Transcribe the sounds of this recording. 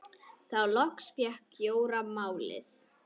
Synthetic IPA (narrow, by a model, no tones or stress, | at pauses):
θawlɔhksfjɛhkjoːwɾamaːwlɪ̰θ